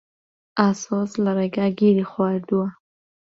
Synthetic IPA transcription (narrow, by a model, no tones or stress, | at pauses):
asɔslaɾaɡaɡiɾixwad̪uwa